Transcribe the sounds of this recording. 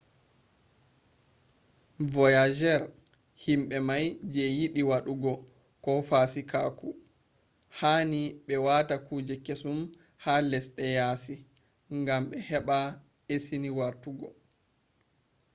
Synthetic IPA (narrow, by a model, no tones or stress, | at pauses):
vɔjad͡ʒɛɾ | himɓɛmajd͡ʒɛjiɗiwaɗuɡɔ | kɔfasikaku | haːniɓɛwatakuːd͡ʒɛkesum | halɛsɗɛjaːsi | ŋɡamɓɛhɛɓa | esiniwaɾtuɡɔ